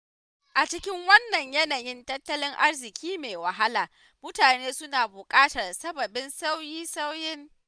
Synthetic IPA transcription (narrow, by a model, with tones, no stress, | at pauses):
ʔa˨t͡ʃɪ˦kʲɪ˦ŋwɐ˦nːɐ˨ɲjɐ˦naː˨jɪ˦ntɐ˦tːɐ˦lɪ˦ŋʔa˦rzɪ˨kʲiː˦meː˨wɐ˨ɦa˦laː˨ | mʊ˦taː˨neː˦sʊ˦naː˨bʊ˨kʼaː˦tɐ˨rsɐ˦bɐ˨bɪ˦nsa˦wjiː˦sa˦wjɪ˦ŋ